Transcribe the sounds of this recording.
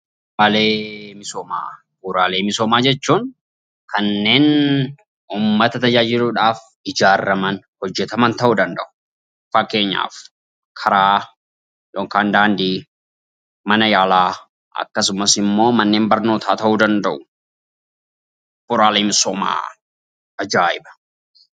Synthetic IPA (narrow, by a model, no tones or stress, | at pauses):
b | ɾaːleːmɪsoːma̰ː | buɾaːle̞ːmɪso̞ːmaːd͡ʒɛt͡ʃːuːŋ | kʰɐnːe̞ːn | uːmːɐt̪ɐt̪ɐd͡ʒaːd͡ʒɪluːᶑaːf | ɪd͡ʒaːrːɐmɐn | hɔd͡ʒːɛt̪ɐmɐnt̪ɐʔuːd̪ɐnd̪ɐʔʊ̥ | fɐkːe̞ːɲːa̰ːf | kʰɐɾaː | joːŋkaːnd̪aːnd̪iː | mɐnɐjaːlaː | ʔɐ̰kːɐsʊmɐsɪmːo̞ːmɐnːe̞ːmbɐɾno̞ːt̪ʰaːt̪ɐʔuːd̪ɐnd̪ɐʔʊ | b̥ʊɾaːleːmɪsoːma̰ː | ɐd͡ʒaːɪbɐ̥